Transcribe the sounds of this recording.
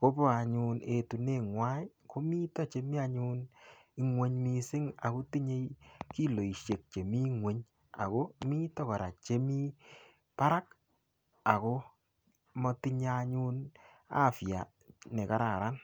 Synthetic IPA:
ko˦bɔ˦a˨ɲu˧ne˨tu˨ne˨ŋwa˦j | ko˦mi˦tɔ˦t͡ʃe˦mi˦a˧ɲu˦ni˦ŋwe˦ɲmi˧sɪ˦ŋa˨ko˦ti˦ɲe˦jki˦lo˨i˨ʃje˨k̚t͡ʃe˨mi˦ŋwe˨ɲ | a̰˨ko˦mi˦tɔ˦kɔ˨ɾa̰˨t͡ʃe˦mi˦ | pa˦ɾa˦k | a˨ko˦ | mɔ˧ti˧ɲaa˧ɲu˦n | a̰˦˨fja̰˨ | ne˨ka˨ɾa˨ɾa˦n

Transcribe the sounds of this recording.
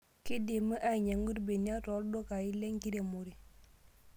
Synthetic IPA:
ki˦de˨mə˦ʔa˦˨ɲa˨ŋɡu˦ɾbe˨ni˦a˦tɔ˨˦ldo˦ka˨ji˦le˦ŋki˦ɾe˨mo˨ɾi˨

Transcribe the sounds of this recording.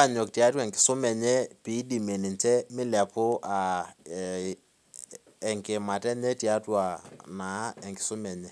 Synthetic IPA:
a˦ɲɔ˨kti˨a˦twa˨ŋkɪ̥˨sʊ˦mɛ˨ɲɛ˦pi˦di˨me˨ni˨nt͡ʃɛ˦mɪ˦lɛ˨pʊ˦ʔa˨ | ɛ˨ŋkɪ˨ma˨tɛ˦ɲɛ˦ti˨a˦twa˨na˨˦ɛ˨ŋkɪ̥˨sʊ˦mɛ˨ɲɛ˦

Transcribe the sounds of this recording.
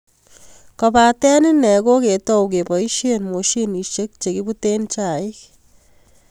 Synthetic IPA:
kɔpatɛ˦nɪ˦nɛ˨ko˦ke˨tɔ˦wk̬e˨pɔ˨i˦ʃenmo˨ʃi˦ni˨ʃe˦k̚t͡ʃe˨kibutent͡ʃa˨ɪ˦k

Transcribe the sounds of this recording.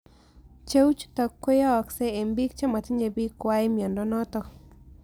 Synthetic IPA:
t͡ʃe˦wt͡ʃt̪ɔ˨kːe˦jɔ˦ɔ˨ksɛ˦e˨mbi˦k̚t͡ʃa˦ma˨t̪i˦ɲe˨bi˦kwa˦i˦mjɔ˨ndɔ˦nɔ˦t̪ɔ˨

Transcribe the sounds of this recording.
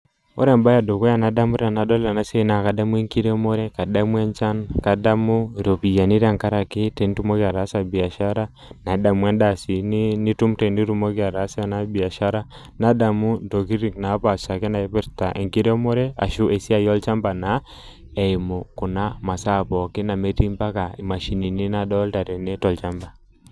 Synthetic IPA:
ɔ̰˦ɾɛ˨mba˦ja˨do˨kɔ˦a˦˨na˨da˦mu˦ɾa˨na˨˦dɔ˦la˨na˦se˦˨˦na˨ka˨da˦mu˦ɛ˦ŋki˦ɾɛ˦mɔ˦ɾɛ˦ka˨ɗa˦mwɛ˦nt͡ʃa˦nka˨da˦mu˦ɾo˨pi˨ja˨ni˦ɾa˦˨ŋka˦ɾa˨ki˦tɛ˨n˦tu˦mo˦ka˨ɾa˨˦sa˨bi˨a˨ʃa˦ɾa˦ | na˨˦da˨mwɛ˦nda˦˨si˨ni˦ni˦tu˦mtɛ˨ni˦ɾu˦mo˦ki˦a˨ɾa˨˦sa˦na˦bi˨a˨ʃa˦ɾa˦ | na˦da˨mu˦ndo˨ki˦ɾi˨ŋna˨˦pa˨sa˨kɛ˦na˨ɛ˦pɛ˦ɾta˨ʔɛ̰˨ŋki˦ɾɛ˦mɔ˦ɾɛ˦a̰˨ʃu˦ʔɛ˨si˦a˦jɔ˦lt͡ʃa˦mba˨na˨˦ | ɛ˨i˨mɔ˨ku˨na˦ma˨sa˦˨pɔ˨kɪ˦na˨mɛ˦ti˦mba˦ka˨i˨ma˨ʃi˨ni˨ni˦na˦ɗɔ˦lta˨ɾɛ˨nɛ˦tɔ˨lt͡ʃa˦mba˨

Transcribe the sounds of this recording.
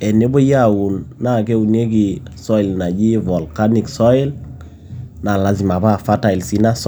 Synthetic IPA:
ɛ˨ne˦bo˦ja˦˨wu˨nːa˦˨ke˦u˨ne˦k̬i˨sɔ˦ɪ˨lna˨d͡ʒi˦vɔ˨lka˦ni˨ksɔ˦ɪ˦l | na˨la˨zi˨ma˨pa˦˨fa˦ta˨i˨lsi˦na˦s

